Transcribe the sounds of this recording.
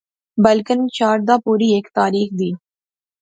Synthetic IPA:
bəlkənt͡ʃaːɾd̪aːpuːɾieːkt̪aːɾiːxd̪iː

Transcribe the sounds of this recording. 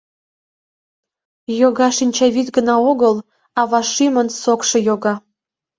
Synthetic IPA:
joɣɑʃinʲt͡ɕɑβit̪ɡənɑoɣəl | ɑβɑʃimənsokʃɤ̆joɣɑ

